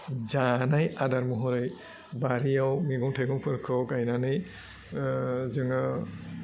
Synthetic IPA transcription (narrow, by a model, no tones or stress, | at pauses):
zanajʔadaɹmɔɦɔɾɯj | baɾijawŋeɡɔŋtʰeɡɔŋpʰɯɾkʰɔkajnanɯj | zɯŋa